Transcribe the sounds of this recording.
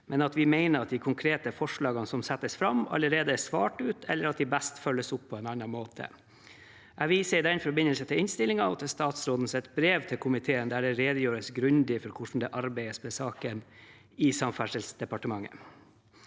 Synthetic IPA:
mɛnɑt̪ʋɪmeɪnəɾɑt̪̚d̪ɪkʰʊŋkʰɾeːt̪əfɔʂɭɑːɡɑnsɔmsɛt̪ːəsfɾɑmɑ̰ləɾeːd̪əæsʋɑːʈʉːt̪ʰɛlːəɾɑt̪̚d̪ɪbæst̪fœlːəsʊpʰːɔɛnɑnːɑmoːt̪ʰə̰ | ʔæʋiːsəɪd̪ɛnfɔɾbɪnːəlsənt̪ʰɪlɪnst̪ɪlɪŋɑɔt̪ʰɪlst̪ɑːt̪sɾoːd̪n̩sɛt̪bɾeːʋt̪ʰɪlkʰʊmɪt̪ʰeːənd̪æɖɛɾeːd̪əjøːɾəsɡɾʉnd̪ɪfɔɾkʰʊʂɳ̩d̪ɛʔɑɾbæɪəsbɛsɑːkən | ɪsɑmfæʂəlsd̪ɛpɑʈəmɑŋːə̰

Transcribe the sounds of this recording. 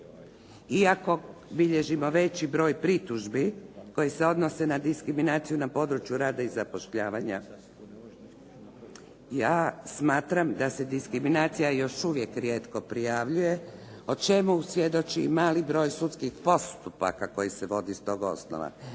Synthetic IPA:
iako̞biʎe̞ʒimo̞ʋe̞t͡ɕibɾo̞ːjpɾit̪uʒbiko̞jise̞o̞d̪no̞se̞nad̪iskɾiminaːt̪sijunapo̞d̪ɾut͡ʃjuɾaːd̪aizapo̞ʃʎaːʋaɲa̰ | jaːsmaːt̪ɾamd̪ase̞d̪iskɾiminaːt̪sijajo̞ʃuʋje̞kɾje̞ːt̪ko̞pɾijaʋʎuje̞ | o̞t͡ʃe̞musʋje̞d̪o̞t͡ʃimaːlibɾo̞ːjsut̪skixpo̞st̪upa̰kako̞jiseʋo̞d̪ist̪o̞ːɡo̞̰sno̰ʋa̰

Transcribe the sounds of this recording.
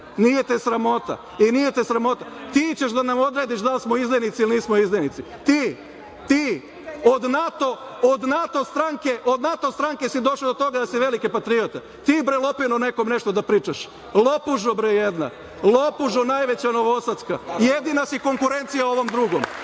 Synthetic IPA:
nijet̪esɾamo̞t̪a̰ | inijet̪esɾamo̞t̪at̪iːt͡ɕeʃd̪anamo̞d̪ɾe̞ːd̪iʃd̪alsmoizlenit̪siliniːsmoiznenit̪si | t̪iː | t̪iː | od̪nat̪o̞ | od̪nat̪ost̪ɾaŋke̞ʔo̞d̪nat̪o̞st̪ɾaŋke̞sid̪o̞ʃad̪ot̪o̞ɡad̪asiʋelikepat̪ɾiot̪e | t̪iːbɾelˠo̞pinone̞ko̞mne̞ʃt̪o̞d̪apɾiːt͡ʃaʃ | lo̞puʒobɾejed̪na̰ | lˠopuʒonajʋe̞t͡ɕano̞ʋosat̪skajed̪inasiko̞ŋkuɾe̞nt̪sijao̞ʋo̞md̪ɾuɡo̞m

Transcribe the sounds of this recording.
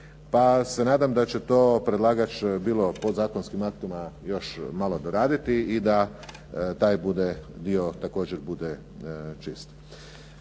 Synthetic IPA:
pase̞naːd̪amd̪at͡ɕe̞t̪oːpɾe̞d̪lˠaːɡat͡ʃbiːlˠo̞po̞d̪zaːkonskimak̚t̪uimajo̞ʃmalˠod̪oɾaːd̪it̪iid̪a | t̪aːjbud̪ed̪io̞t̪ako̞ːd͡ʑeɾbud̪e | t͡ʃist̪

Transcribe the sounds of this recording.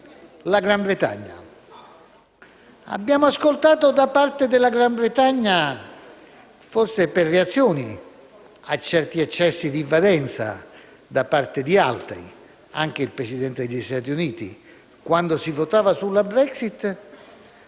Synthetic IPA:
laɡɾambɾet̪a̰ɲːa̰ | a̰bːjaːmoaskolt̪aːt̪od̪apart̪ed̪ɪlaɡɾambɾet̪aɲːa | forseperːeat̪sːjoːni | at͡ʃːɛrt̪iat͡ʃːɛsːid̪ivalɛnt̪sa̰ | d̪apart̪ed̪ialt̪ɾḭ | a̰ŋk̟eilpɾesid̪ɛnt̪ed̪eʎːist̪aːt̪̬iuniːt̪ḭ | kwand̪osivot̪aːvasulːabɾɛksit̪

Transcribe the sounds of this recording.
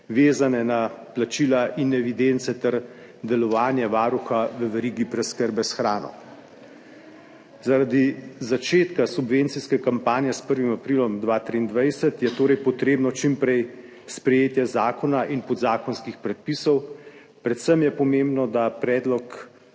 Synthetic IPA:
ʋeːzanɛnaplat͡ʃilaʔinɛʋid̪ent̪sɛt̪ɛɾ | d̪ɛlɔʋaːnjɛʋaːɾuxaʋəʋɛɾiːɡipɾɛskəɾbɛsxɾaːnɔ̰ | zaɾad̪izat͡ʃeːt̪kasubʋent̪siskɛkampaːnjɛspəɾʋimapɾilɔmd̪ʋaːt̪ɾiːnd̪ʋajsɛt̪jɛt̪oːɾɛjpɔt̪ɾeːbnɔt͡ʃimpɾɛj | spɾɛjeːt̪jɛzaːkɔnaʔinpɔd̪zaːkɔnskixpɾɛt̪̚pisɔw | pɾɛt̪səmjɛpɔmẽmbnɔd̪apɾɛːd̪lɔk

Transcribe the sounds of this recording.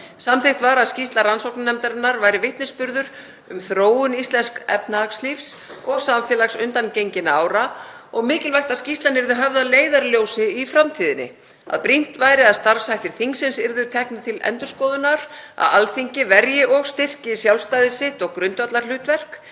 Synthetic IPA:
samθejht̪vaɾaðscist̪laɾransowknanɛmt̪aɾɪnːaɾvaːjɾɪvɪht̪nɪspʏɾðʏɾ | ʏmθɾoːwʏnist̪lɛnskɛ̰p̚nakslifsɔɣsamfjɛːlaɣsʏnt̪ancejɲcɪnaːwɾaɔɣmɪːcɪlvajht̪ascist̪lanɪɾðʏɦœvðaleːjðaɾljoːwsɪifɾamt̪ʰiːðɪnːɪ̰ | a̰ðpɾin̥t̪vajɾɪaðst̪aɾfsajht̪ɪɾ̥θiŋksɪnsɪɾðʏ̥t̪ʰɛhknʏt̪ʰɪlɛ̰nt̪ʏɾ̥skɔːðʏnaɾ̥a̰ðalθiɲcɪvɛɾjɪʔɔɣst̪ɪr̥cɪsjawlst̪ajðɪsɪht̪ɔɣkɾʏnt̪vat̪laɾ̥l̥ʏːt̪vɛr̥k

